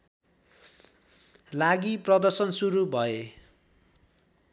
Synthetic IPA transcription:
laɡiprʌd̪ʌrsʌnsuɾubʱʌe

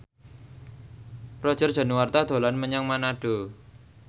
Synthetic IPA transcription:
rɔd̥ʒ̥ərd̥a̤nuwart̪ad̪̥o̤lanməɲaŋmanaɖ̥o̤

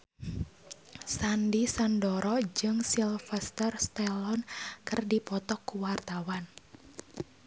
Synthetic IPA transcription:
sandisandɔɾɔd͡ʒɨŋsilfɛst̪ərst̪ɛlɔnkɨrdipɔt̪ɔkːuwart̪awan

